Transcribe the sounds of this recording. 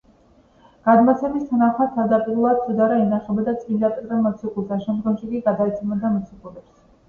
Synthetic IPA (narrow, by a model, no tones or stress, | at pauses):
ɡ̥ad̪mat̪sʰɛmist̪ʰanaχmat̪ʰaɾd̪apʼiɾulˠad̪̚t̪ʰɔd̪aɾainaχɛbad̪at̪sʼind̪ap̪ʼiɾamɔt̪sʰikʼulˠsaʃɛmd̪ɡɔmʃikʼiɡad̪ait̪sʰɛmɛnd̪amɔt̪sʰikʼulɛps